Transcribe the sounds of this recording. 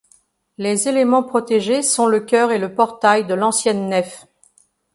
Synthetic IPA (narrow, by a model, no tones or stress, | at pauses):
lezelemɑ̃pχɔt̪eʒesɔ̃ləkʲœʁeləpɔʁt̪ajd̪əlɑ̃sjɛnːɛf